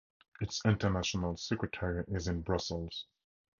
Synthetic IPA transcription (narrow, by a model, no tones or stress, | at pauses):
ɨtsɪ̃ntənæʃənəlˠsɛkɹɨtʰɛɹiʔɪzɨ̃nbɹʌsəl̩ˠz̥